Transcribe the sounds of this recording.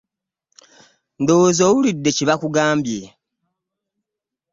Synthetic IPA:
ndo̞zoːwulidːe̞ciβakuɡaːmbje

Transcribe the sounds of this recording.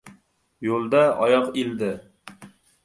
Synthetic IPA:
jolˠd̪aɒjɒqild̪ɪ

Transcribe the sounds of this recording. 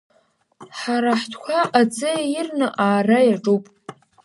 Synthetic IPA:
ħaɾaħtʰkʷʰaʔad͡zɨjirnɨʔaːrajaʈ͡ʂʼupʼ

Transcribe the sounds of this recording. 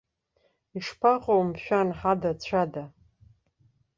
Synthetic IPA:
iʂpʰaqʼowmʃᶣanħadat͡ɕʷʰada

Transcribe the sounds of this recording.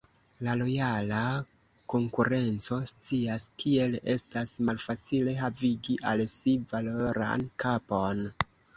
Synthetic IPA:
lalo̞jala | ko̞ŋkuɾe̞nt͡so̞st͡siaskʰie̞le̞̰stasmalfat͡sile̞ɦaviɡiʔalsivalo̞ɾa̰nkapo̞n

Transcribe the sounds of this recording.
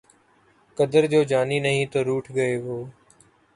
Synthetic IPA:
kəd̪əɾd͡ʒoːd͡ʒaːniːnəɦĩːt̪oːɾuːʈʰɡəeːɦoː

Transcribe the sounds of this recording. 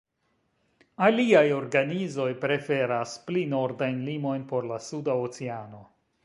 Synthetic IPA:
aliajo̞ɾɡanizo̞jpɾe̞fe̞ɾasplino̞ɾdajnlimo̞jnpo̞ɾlasudaot͡seano̞

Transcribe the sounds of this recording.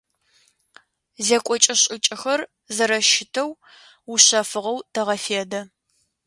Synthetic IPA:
zekʷʼɔt͡ʃʼɐɕʼɪt͡ʃʼɪxɐr | zɐɾɐʃɪtʰɐw | uɕɐfɨʁɐwtʰɐʁɐfeːdɐ

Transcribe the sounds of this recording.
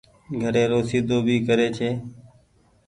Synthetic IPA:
ɡʱəɾẽːɾoːsiːd̪ʱoːbʱiːkəɾeːt͡ʃʰeː

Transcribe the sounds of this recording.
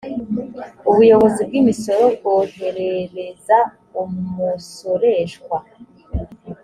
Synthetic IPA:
uβujo̞βo̞zib̚ɡimiso̞ɾo̞bɡohe̞ɾe̞ɾe̞za | umuso̞ɾe̞ʒɡwa

